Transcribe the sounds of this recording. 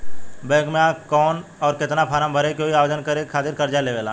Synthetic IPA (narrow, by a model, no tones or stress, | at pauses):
beːɡmãkɔːnɔːɾkɪt̪napʰaːɾãmbʱəɾekoiaːʋod͡ʒənkəɾekʰaːt̪ɪɾkɐɾd͡ʒaleʋeːlaː